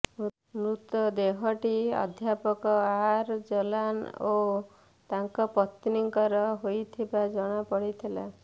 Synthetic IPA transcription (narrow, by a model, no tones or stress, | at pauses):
mɾut̪ɔd̪eɦɔʈiɔ̰d̪ʱjapɔkɔaɾd͡ʒɔlano | t̪aŋkɔpɔt̪ːiniŋkɔɾɔɦojt̪ʰibad͡ʒɔɽ̃apɔɽit̪ʰila̰